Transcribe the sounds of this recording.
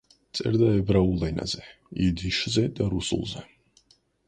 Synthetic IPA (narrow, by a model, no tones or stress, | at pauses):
t̪sʼɛ̰ɾd̪aɛbɾaulˠɛna̰zɛ | id̪iʃzɛd̪aɾusṵlˠzɛ